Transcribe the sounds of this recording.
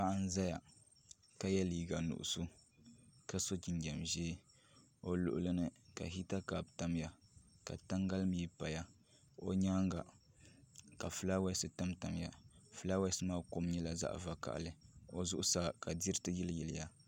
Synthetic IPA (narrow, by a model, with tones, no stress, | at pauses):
pa˦ʔa˦n̩˦za˦ja˨ | ka˦jɛ˦liː˨ɡa˨nʊ̰˨ʔʊ̰˨su˦ | ka˦so˦d͡ʒi˨nɡɛ˨mʒeː˦ | o˨lʊ̰˨ʔʊ˦lɨ˦nɨ˦ka̰˨ɦi˦ta˦kaː˨bta˦m˦ja˨ka̰˨ta˦ŋɡa˦lɨ˦m˦ji˦pa˨ja˦ | o˦ɲaː˦ŋɡa˨ | ka˨fɨ˨˦la˦wɛ˦sɨ˨ta˦mta˨m˦ja̰˨fɨ˨la˦wɛ˦sɨ˦maː˦ko˦m˦ɲɛ˦la˨za̰˦ʔva˦ka̰˨ʔlɨ˨o˨zʊ˦ʔʊ˦sa˦ka˨di˦ɾɨ˦tɨ˦jɛ˦ljɛ˨lɪ˨ja˨